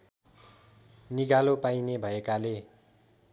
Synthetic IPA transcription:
niɡalopajnebʱʌekale

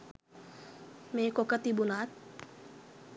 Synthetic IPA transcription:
mekokət̪ibunat̪̚

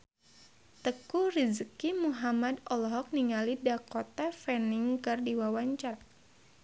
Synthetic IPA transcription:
t̪əkurizəkimuɦamadɔlɔɦɔk̚niŋalidakot̪afɛniŋkɨrdiwawaɲt͡ʃar

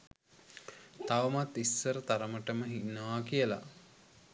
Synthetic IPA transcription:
t̪aʋəmat̪ːisːəɾət̪aɾəməʈəməɦinːəʋakijəla̰

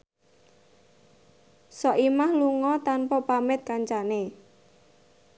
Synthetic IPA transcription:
sɔʔimahluŋɔt̪anpɔpamɪt̪̚kaɲt͡ʃane

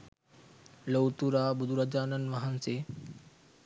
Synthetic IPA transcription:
lowt̪uɾaːbʊd̪ʱuɾəd͡ʒaːnənʋɐɦənseː

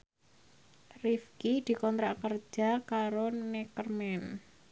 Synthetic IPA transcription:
rifkid̪̥i̤kɔnt̪ɾaʔkər̥d͡ʒʒ̥a̤kaɾonɛkərmɛn

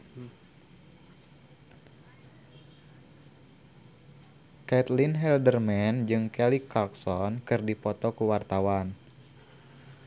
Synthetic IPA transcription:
kɛt̪linɦɛldərmɛnd͡ʒɨŋkɛlikʰːak̚sɔnkɨrdipɔt̪ɔkuwart̪awan

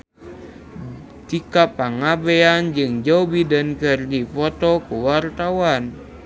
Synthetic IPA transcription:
t̪ikapaŋabɛand͡ʒɨŋd͡ʒawbidənkɨrdifɔt̪ɔkuwart̪awan

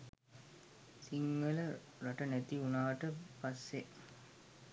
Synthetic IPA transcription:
siŋɡələ | ɾɐʈənæt̪iunaːʋəʈəpasːe

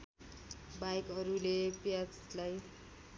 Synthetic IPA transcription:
bajkʌɾulepjad͡zlaj

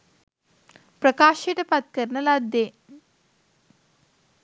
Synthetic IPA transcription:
pɾəkaːʃeʈɐpɐt̪̚kəɾnɐlad̪ːe

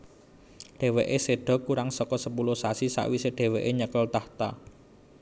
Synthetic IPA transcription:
ɖ̥e̤weʔeseɖ̥ɔ̤kuɾaŋsɔkɔsəpulʊhsasisa̰ʔwiseɖ̪̥e̤weʔeɲəkəlt̪aht̪a

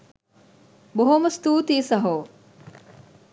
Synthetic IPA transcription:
boɦomɐst̪uːt̪iːsɐɦoː

